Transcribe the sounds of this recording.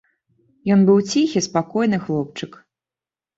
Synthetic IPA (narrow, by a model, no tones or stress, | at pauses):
jɔnbɨwt͡sʲixʲispakɔjnɨxlˠɔp̚t͡ʂɨk